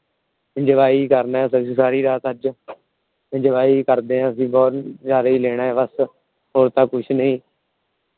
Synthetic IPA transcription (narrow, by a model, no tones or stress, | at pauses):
d͡ʒəʋaːiːkəɾnaːɛsə̃saːɾiːɾaːt̪əd͡ʒ | d͡ʒəʋaːiːkəɾd̪eːɦãːəsĩːbɔːt̪zaːɾaːiːleːɽ̃aːɛːbəs | ɦoːɾt̪ãːkʊt͡ʃʰnəĩː